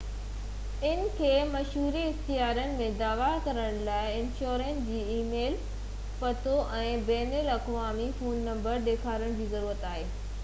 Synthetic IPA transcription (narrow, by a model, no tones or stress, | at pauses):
ɪnɪ̆kʰeːmɐʃɦuːɾiɪxt̪iɦaːɾənɪ̆mẽd̪aːʋakɐɾəɽ̃laːɪɪ̃nʃoːɾẽːnsd͡ʑiːiːmeːl | pɐt̪ʰoʔɛ̃ːbɛːnelɐkʋaːmifoːnːɐ̃mbəɾɗ̪eːkʰaːɾəɽ̃d͡ʑiːzɐɾuːɾət̪aːɦeː